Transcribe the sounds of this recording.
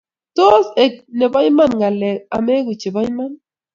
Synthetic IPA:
t̪o˦se˨k̚ne˨ba˦jma˦nɡa˨le˨a̰˨me˦ɣu˨t͡ʃe˨βa˦jma˦n

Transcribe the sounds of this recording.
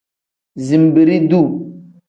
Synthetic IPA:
zi˨mbi˨ɾi˦d̪u˦

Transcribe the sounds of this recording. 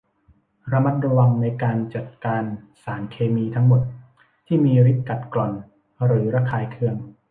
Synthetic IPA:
ɾa˧ma˦˥t̪̚ɾa˧wa˧ŋna˧jkaː˧nt͡ɕa˨˩t̪̚kaː˧n | saː˩˦nkʰeː˧miː˧t̪ʰa˦˥ŋmo˨˩t̪̚ | t̪ʰiː˥˩miː˧ɾi˦˥t̪̚ka˨˩t̪̚klɔ˨˩n | ɾɯː˩˦ɾa˦˥kʰaː˧jkʰɯ˧˩əŋ

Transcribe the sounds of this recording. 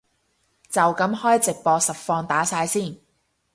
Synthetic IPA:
t͡sɐ˨wkɐ˨˥mhɔː˥jt͡sɪ˨k̚pɔː˧sɐ˨p̚fɔː˧ŋt̪aː˨˥saː˧jsiː˥˩n

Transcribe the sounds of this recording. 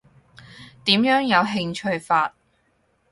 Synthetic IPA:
t̪iː˨˥mjœː˨˥ŋjɐ˨˧wɦɪ˧ŋt͡ʃʰɵ˧ɥfaː˧t̚

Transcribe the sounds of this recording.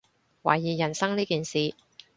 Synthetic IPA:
wa̰ː˨˩jːiː˨˩jɐ˨˩nsɐ˥ŋniː˥kiː˨nsiː˨

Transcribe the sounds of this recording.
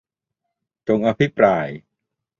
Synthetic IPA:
t͡ɕo˧ŋʔa˧pʰi˦˥pɾaː˧j

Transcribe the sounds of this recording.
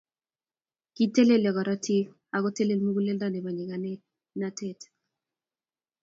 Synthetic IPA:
ki˦te˦le˦ljɔ˨kɔ˨ɾa˦tʰi˦ | a˨kɔ˦te˦le˨lmu˦ɡu˦le˦lda˦˨ne˨ba˨ɲd͡ʒe˨ka˨nɛ˦ | na˦te˦˨t

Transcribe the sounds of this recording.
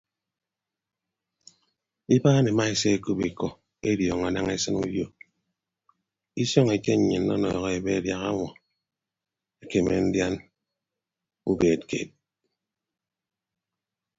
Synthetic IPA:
i˦baː˦ne˨ma˦e˦se˦e˦˨ku˦bi˨kɔ˦ | e˦djɔ˨ŋa˨na˦ŋe˦sɨ˦nṵ˦djo˦ | i˦sɔ˦ŋe˨t͡ʃe˦ɲ˨ɲɨ˨nːɔ̰˦nɔ̰˨ɣɔ˦e˨be˦˨dja˨ɣa̰˦ŋʷɔ˨ | e˦ke˨mḛ˨n̩˦dja˦n | u˦beː˨tkḛː˨t̚

